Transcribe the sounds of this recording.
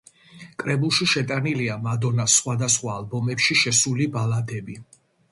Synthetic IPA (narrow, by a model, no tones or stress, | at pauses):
kʼɾɛbulˠʃiʃɛt̪ʼaniliamad̪ɔnasχwad̪asχwaːlˠbɔmɛpʃiʃɛsulibalad̪ɛbi